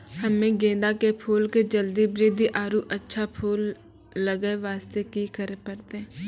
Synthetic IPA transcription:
həmẽɡẽːd̪akepʰuːlked͡ʒəld̪ibɾiːd̪iʔaːɾuʔətːʃʰapʰuːlː | əɡəeʋaːst̪ekikəɾepəɾt̪eɛ̃ː

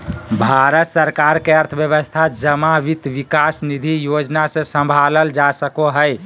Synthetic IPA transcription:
bʱaɾət̪səɾkaɾkeəɾt̪ʰəbjəbəst̪ʰad͡ʒəmaʋit̪ʋikasnid̪ʱijod͡ʒnasẽsə̃mbʱaləld͡ʒasəkoɦəj

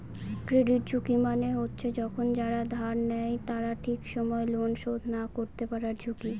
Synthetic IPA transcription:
kɾeɖiʈ̚d͡ʑʱukimaneɦotːɕʰed͡ʑɔkʰond͡ʑaɾad̪ʱaɾnɛjt̪aɾaʈʰikʃɔmɔelonʃod̪ʱnakoɾt̪epaɾaɾd͡ʑʱuki

